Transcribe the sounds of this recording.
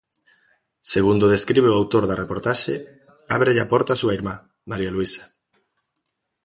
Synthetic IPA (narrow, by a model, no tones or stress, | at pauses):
seɣund̪oðeskɾiβeʊawt̪oɾðarepoɾt̪aʃe | aβɾeʎapɔɾt̪aːsuaiɾma | maɾialuisḁ